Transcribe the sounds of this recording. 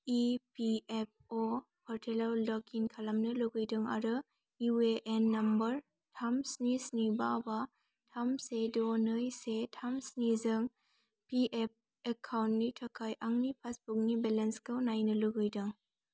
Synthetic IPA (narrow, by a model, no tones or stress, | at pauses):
ipiep̚o | pʰɔɾtʰelawdɔkʰinkʰalamnɯluɡɯjdɯŋa̰ɾɯ | iweʔenːɐmbɐɾ | tʰamsnisnibaba | tʰamsedonɯjsetʰamsnizɯŋ | piʔep̚ | ekʰawntnitʰɐkʰajʔaŋnipʰasbuk̚nibelenskawnajnɯluɡɯjdɯŋ